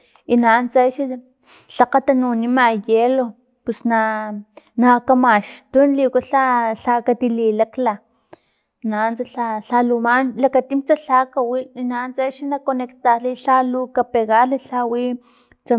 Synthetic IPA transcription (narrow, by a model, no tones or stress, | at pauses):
inant͡sajʃi | ɬaqat̪anunimajelo | pusna | nakamaʃt̪unlikaɬaɬakat̪ililakla | nant͡saaɬalumanlakat̪imt͡saɬakawinant͡sajʃinakonekt̪aliɬalukapeɣaliɬawi | t͡sa